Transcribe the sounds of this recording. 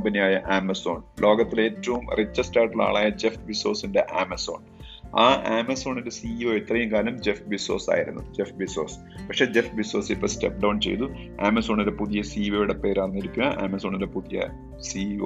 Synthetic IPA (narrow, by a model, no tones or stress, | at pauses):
bɐnijaːjɐʔaːmɐso̞̰ːɳlʔo̞ːɡɐt̪ːile̞ːtːɐʋumrit͡ɕːɐstaːʈːila̰ːɭaːjɐd͡ʑefbiso̞ːsinde̞ʔaːmɐso̞̰ːɳ | aːʔeːmɐso̞ːɳindesiːoːit̪ːrɐjumkaːlɐmd͡ʑefbisoːsa̰ːjiɾṵnːuɨd͡ʑefbiso̞ːs | pɐkʂe̞ːd͡ʑefbiso̞ːsipːoːstep̚ɖɐwnt͡ɕe̞̰jt̪u | aːmɐso̞ːɳinɾepuðijɐsiːʋojuɽepe̞ːɾaːrnːiɾikʲːunɐʔeːmɐso̞ːɳiɾe̞puðijɐ̰ | siː